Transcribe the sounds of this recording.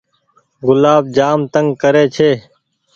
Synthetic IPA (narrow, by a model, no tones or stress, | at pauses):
ɡʊlaːb̚d͡ʒaːmt̪əŋɡkəɾeːt͡ʃʰeː